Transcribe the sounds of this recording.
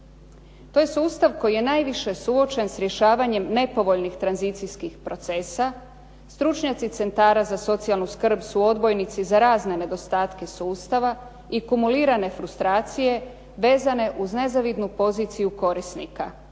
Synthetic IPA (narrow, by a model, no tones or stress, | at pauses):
t̪o̞je̞suːst̪aʋko̞jije̞naːjʋiʃe̞suo̞t͡ʃe̞nsɾje̞ʃaːʋaɲe̞mne̞po̞ʋo̞ʎnixt̪ɾanzit̪sijskixpɾo̞t̪se̞sa | st̪ɾut͡ʃɲat̪sit̪se̞nt̪aːɾazaso̞t̪sijalˠnuskr̩bsuo̞d̪bo̞jnit̪sizaɾaːzne̞ne̞d̪o̞st̪aːt̪ke̞suːst̪aʋa | ikumuliːɾane̞fɾust̪ɾaːt̪sije̞ | ʋe̞ːzane̞ʔuzne̞zaʋid̪nupo̞ziːt̪sijuko̞ɾisnika